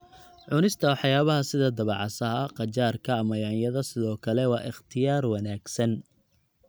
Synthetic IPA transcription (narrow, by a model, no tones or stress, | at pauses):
ʕʊnɪst̪ʰɐwħjaːβɐɦɐsɪðɐd̪ɐβɑʕɑsɐɦɐqɑt͡ʃaːrkʰɐːmɐjaːnjɐðɐsɪðɔːkʰɐlɛwɑ̰ːʔɪχt̪ʰɪjaːrwɑnaːɡsɐn